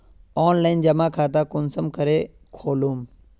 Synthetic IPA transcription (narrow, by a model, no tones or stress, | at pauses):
oːnlaːɪnd͡ʒɐmãːkʰaːt̪aːkʊnsəmkəɾeː | kʰoːluːm